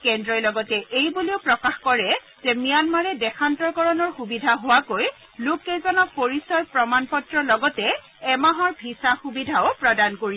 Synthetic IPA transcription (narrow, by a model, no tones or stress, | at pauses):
kɛndɹɔjlɔɡɔtɛʔejbuliʊpɹɔkaxkɔɹɛ | zɛmijanmaɹɛdɛxʰantɔɹkɔɹɔnɔɹxubidʱaɦʊwakoj | lʊkːɛzɔnɔpoɹisɔɹpɹɔmanpɔtɹɔlɔɡɔtɛː | maɦɔɹbʱisaxubidʱaʊpɹɔdankoɹi